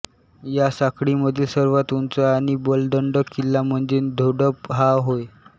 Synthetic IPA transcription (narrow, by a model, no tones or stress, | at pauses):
jasakɽiməd̪ʱjesəɾʋat̪unt͡saːɽ̃ibəlɖəɳɖəkːilːam̤əɳd͡zed̪ʱoɽəpɦaɦoj